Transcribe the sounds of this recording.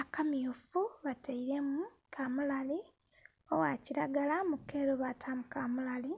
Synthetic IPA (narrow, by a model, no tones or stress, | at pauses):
akamijufuβataiɾemu | kʰamulali | owaciɾaɡalamukeɾoβatʰamukamulali